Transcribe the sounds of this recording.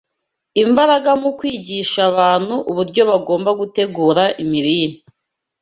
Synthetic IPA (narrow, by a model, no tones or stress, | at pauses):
imbaɾaɡamukwiːɟiʃaβaːn̥huʔuβuɾɟo̞βaɡo̞ːmbaɡute̞ɡuːɾaʔimiɾiːni